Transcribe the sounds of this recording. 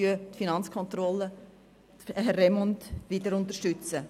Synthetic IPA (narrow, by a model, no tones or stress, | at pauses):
yətfinɑnt͡skʰɔnt̪ɾɔlːə | ɦɛrɛmɔntʋidəɾʊntəʃtʏt͡sə